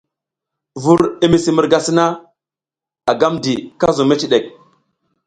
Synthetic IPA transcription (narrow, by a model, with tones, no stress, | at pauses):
vu˦ɾi˦mi˨si˨mu˨ɾɡa˨si˦na˦ | a˨ɡa˦mdi˨ka˦zo˨me˦t͡ʃi˨ɗe˨k̚